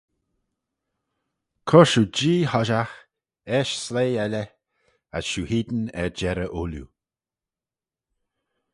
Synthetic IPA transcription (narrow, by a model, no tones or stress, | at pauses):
kʰɔɹʃud͡ʒiːhɔʒax | ɛʃsleːɛlə | a̰sʃuːhiːd̪ənɛ̰ɹd͡ʒɛɾəʔuːljṵ